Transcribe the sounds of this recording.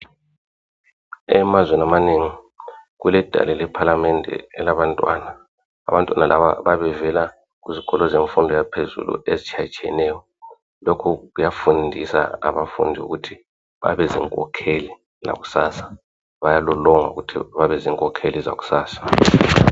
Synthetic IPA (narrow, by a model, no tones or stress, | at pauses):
ɛmazwɛnamaneːŋi | ɣulɛd̥ʱa̰lɛlɛpʰalamɛndʱɛ̰ɛlaβantʼwana̰ː | βantʼwanalʔaβa̰βaβɛvɛla | kuziɣɔlɔzeɱfundʱɔjapʰezṵlṵezit͡ʃʰat͡ʃʼʰɛ̰nɛːjɔ | lokʰukujafundʱisa̰a̰βafṵndʱiṵɣutʰi | βa̰βɛzḭŋkʼɔ̰kʰeli | za̰ɣu̥sasḁ | βajalɔlɔŋa̰uɣutʰḭβaβɛziŋkʼɔkʰeliza̰ɣu̥saːsḁ